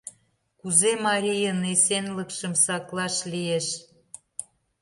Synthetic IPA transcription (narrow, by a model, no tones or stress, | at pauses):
kuzemɑɾʲijənesenləkʃə̆msɑklɑʃlieʃ